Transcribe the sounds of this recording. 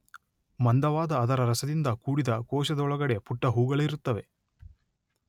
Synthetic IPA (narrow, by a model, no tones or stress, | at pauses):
mɐnd̪ɐʋaːd̪ɐːd̪ɐɾɐɾɐsɐd̪ind̪ɐkuːɽid̪ɐkɔːʃɐd̪ɐɔɭɐɡɐɽe̞puʈːɐɦuːɡɐɭɐiɾut̪ːɐʋe̞̰